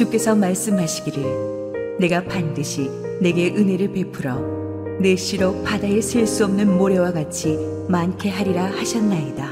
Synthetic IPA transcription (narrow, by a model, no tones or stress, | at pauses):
t͡ɕuk͈e̞sʰʌmaɭs͈ɯmɦaɕʰiɡiɾɯɭ | ne̞ɡapandɯɕʰi | ne̞ɡe̞ʔɯne̞ɾɯɭpe̞pʰɯɾʌ | ne̞ɕʰiɾopadaesʰeɭs͈uʌmnɯnmoɾe̞waɡat͡ɕʰi | mankʰe̞ɦaɾiɾahaɕʰʌnːaida